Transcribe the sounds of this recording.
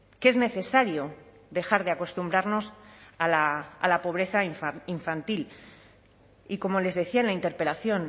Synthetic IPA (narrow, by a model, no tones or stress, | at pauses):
ke̞zne̞θe̞saɾjo̞ | ðe̞xaɾð̞eako̞st̪umbɾaɾno̞salaːlapo̞β̞ɾe̞θaiɱfant̪il | iko̞mo̞le̞zðe̞θiaenlaint̪e̞ɾpe̞laθjo̞n